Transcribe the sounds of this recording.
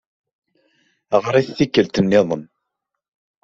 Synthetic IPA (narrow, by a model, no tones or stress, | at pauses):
ʁɾˤiθθikːəlt̪ənːɪðˤən